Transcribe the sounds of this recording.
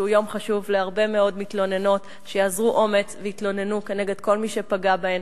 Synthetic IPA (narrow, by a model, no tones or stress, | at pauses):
ujo̞mχaʃuvleaʁbe̞meo̞dmitlo̞ne̞no̞t | ʃejaːzʁuʔo̞me̞t͡sveitlo̞ne̞nukene̞ɡe̞dko̞lmiʃe̞paɡabaem